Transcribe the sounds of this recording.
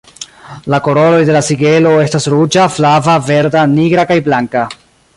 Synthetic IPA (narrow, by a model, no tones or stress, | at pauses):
lako̞ɾo̞lo̞jde̞lasiɡe̞lo̞e̞stasɾud͡ʒaflavave̞ɾdaniɡɾakajblaŋka